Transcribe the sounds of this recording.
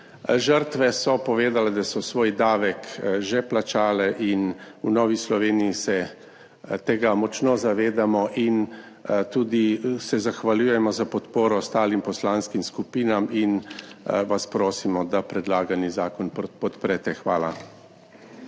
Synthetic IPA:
ʒəɾt̪ʋɛsɔpɔʋeːd̪alɛd̪asɔsʋoːjd̪aːʋɛkʒɛplat͡ʃaːlɛʔin | unɔːʋislɔʋeːnijisɛ | t̪eːɡamɔt͡ʃnɔzaʋeːd̪amɔʔin | t̪uːd̪isɛzaxʋaljujɛmɔzapɔt̪poːɾɔst̪aːlimpɔslaːnskimskupiːnamin | ʋaspɾoːsimɔd̪apɾɛd̪laːɡanizaːkɔnppɔt̪pɾɛt̪ɛxʋaːla̰

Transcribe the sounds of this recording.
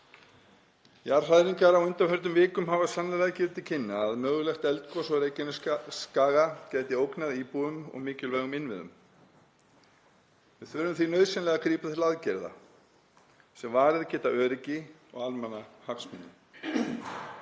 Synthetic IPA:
jaɾ̥r̥aðɾiŋkaɾawʏnt̪ahœɾt̪̬ʏmvɪːkʏmɦavasanlɛlɛɣacɪːɾɪt̪ɪlcʰɪnːaːðmœːɣʏlɛxt̪ɛlt̪kʰɔsɔɾeːjcɪnʏskaːɣacɛːjt̪ɪowknaðipuðʏmɔ̰ɣmɪːcɪlvɛːɣʏmɪnvɪ̰ðʏ̰m | vɪðθœɾʏmθinœɥðsɛnlɛɣakʰɾiːpaθʰɪlaðcɛɾða̰ | sɛmvaːɾɪðcɛːt̪aœːɾɪcɪ | ɔ̰ɣalmɛnahaksmʏnːʏm

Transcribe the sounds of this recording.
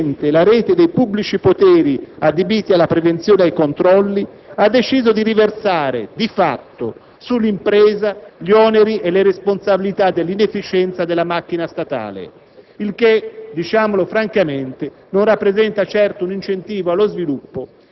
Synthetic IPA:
nt̪elaɾɛːt̪ed̪ejpubːlit͡ʃipot̪ɛːɾiad̪ebiːt̪ialːapɾevent̪sjoːnedajkont̪ɾɔlːi | ad̪ːet͡ʃiːzod̪iɾiversaːɾḛd̪ifat̪ːo | sulːimpɾɛːzaʎiɔːneɾiʔelːeɾesponsabilit̪ad̪ːelːinefːit͡ʃɛnt̪sad̪elːamakːinast̪at̪a̰ːlḛ | ilk̟ed̪it͡ʃaːmolofɾaŋkament̪e | nonrapːɾezɛnt̪at͡ʃɛrt̪ounint͡ʃent̪iːvoalːozvilupːo

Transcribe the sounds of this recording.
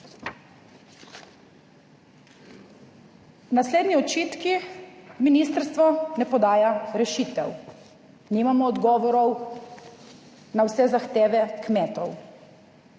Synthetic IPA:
wnasleːd̪niɔt͡ʃiːt̪kiminist̪əɾst̪ʋɔnɛpɔd̪aːjaɾɛʃiːt̪ɛw | nimamɔːd̪ɡɔːʋɔɾɔw | nawsɛzaxt̪eːʋɛkmɛːt̪ɔw

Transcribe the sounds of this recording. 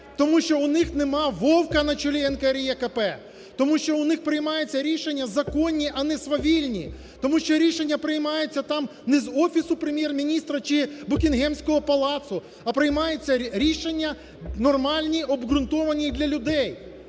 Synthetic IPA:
t̪ɔmuʃt͡ʃɔʊnɪxnemɑʋɔwkɐnɐt͡ʃɔlʲiɛnkɐɾʲijɛkɐpɛ | t̪ɔmuʃt͡ʃɔʊnɪxpɾɪjmɑjet͡sʲːɐɾʲiʃenʲːɐzɐkɔnʲːiʔɐnɛsʋɐʋʲilʲnʲḭ | t̪ɔmuʃt͡ʃɔɾʲiʃenʲːɐpɾɪjmɑjet͡sʲːɐt̪ɑmnɛzɔfʲisʊpɾemʲjɛrmʲinʲist̪ɾɐt͡ʃɪbʊkʲinɦɛmsʲkɔɦɔpɐlˠɑt̪sʊ | ɐpɾɪjmɑjet͡sʲːɐɾʲiʃenʲːɐ | nɔrmɑlʲnʲiʔɔbɣɾʊnt̪ɔʋɐnʲid̪lʲɐlʲʊd̪ɛj

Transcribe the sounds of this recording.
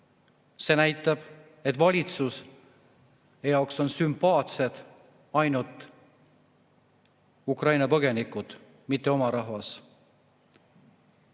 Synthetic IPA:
se̞næjt̪ːˑɑb̥ | e̞t̪ːˑvɑlʲit̪sus | jɑokso̞nsympɑːt̪se̞d̪̥ | ɑjnult̪ˑ | ukrɑjnɑpɤɡ̥e̞nikːˑud̪̥ | mit̪ːe̞o̞mɑɾɑɦvɑs

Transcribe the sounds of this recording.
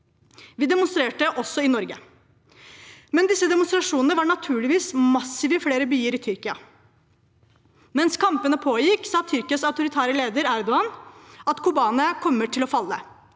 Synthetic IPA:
ʋiːd̪ɛmʊnst̪ɾeːʈəʔɔsɔɪnɔɾɡə | mɛnd̪ɪsːəd̪ɛmʊnst̪ɾɑʂuːnənəʋɑɳɑt̪ʰʉːɭɪʋiːsmɑsːɪʋəfleːɾəbyːəɾɪt̪ʰʏɾkɪɑ | mɛnskʰɑmpənəpʰoːjɪksɑːt̪ʰʏɾkɪɑsɑʉt̪ʊɾɪt̪ʰæːɾəleːd̪əɾæɾd̪ʊɑnɑt̪kʰʊbɑːnəkʰɔmːəʈʰɪlɔfɑlːə

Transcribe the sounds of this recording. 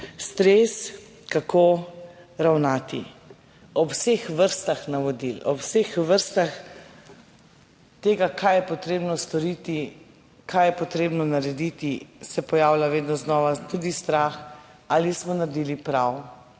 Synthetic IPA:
st̪ɾes | kakʰo | ɾawnaːt̪i | ɔwsexʋəɾst̪axnaʋɔd̪ilɔwsexʋəɾst̪ax | t̪eːɡakajɛpɔt̪ɾeːbnɔst̪ɔɾiːt̪i | kʰajɛpɔt̪ɾeːbnɔnaɾɛd̪it̪isɛpɔjaːwlaʋeːd̪nɔznɔːʋat̪ud̪ist̪ɾaːx | aːlismɔnaɾd̪iːlipɾaw

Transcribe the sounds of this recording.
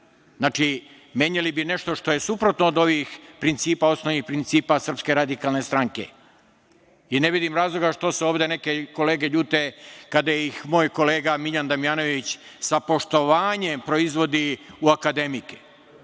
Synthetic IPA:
znaːt͡ʃi | mje̞ːɲalibine̞ʃt̪o̞ʃt̪o̞je̞supɾo̞t̪noːd̪o̞ʋixpɾint̪siːpao̞snoʋnixpɾint̪siːpasr̩pske̞ɾad̪ikalne̞st̪ɾaŋke̞̰ | ine̞ʋid̪imɾaːzlˠo̞ɡaʃt̪o̞seoːʋd̪e̞ne̞ke̞ko̞le̞ːɡe̞ʎuːt̪ekad̪ajeixmo̞ːjko̞le̞ːɡamiʎand̪amijaːno̞ʋit͡ɕsapo̞ʃt̪o̞ʋaːɲe̞mpɾo̞izʋo̞d̪iuakad̪e̞mike̥

